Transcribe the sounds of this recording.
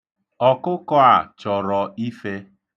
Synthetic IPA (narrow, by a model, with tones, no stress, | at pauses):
ɔ˦kʊ˦kɔ˦a˨t͡ʃɔ˨ɾɔ˨i˦fe˦